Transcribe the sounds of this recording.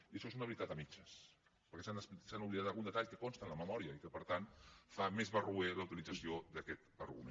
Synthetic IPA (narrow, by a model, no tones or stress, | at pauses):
iəʃɔezunəβɾit̪at̪əmit͡ʃəs | pəɾkɛsanssanuβliðat̪aɣunət̪aʎkəkonst̪ənləməmɔɾiəikəpəɾt̪ant̪famezβərueləwt̪ilid͡zəsiod̪əkɛt̪ə̰ɾɣṵmḛ